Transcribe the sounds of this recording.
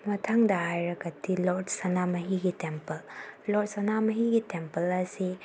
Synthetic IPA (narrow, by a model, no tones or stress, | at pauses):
mɐtʰaŋdaɦajɾɐkɐtʰːiloɾdsɐnamɐɦiɡitempɐllod̚sɐnamɐɦiɡitempɐlɐsi